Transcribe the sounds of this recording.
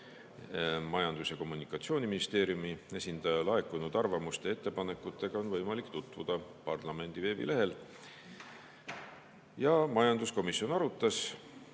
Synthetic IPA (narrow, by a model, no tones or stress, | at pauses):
mɑjɑnd̪̥usjɑko̞mːunikːˑɑt̪sio̞ːnʲiminist̪e̞ːɾijumie̞sʲind̪̥ɑjɑlɑe̞kːˑunud̪̥ɑrvɑmust̪e̞e̞t̪ːe̞pɑne̞kːˑut̪ːˑe̞ɡ̥ɑo̞nvɤjmɑlikt̪ut̪ˑvud̪̥ɑpɑrlɑme̞nd̪̥ive̞ːbḭle̞ɦe̞l | jɑmɑjɑnd̪usko̞misːio̞nɑɾut̪ːˑɑs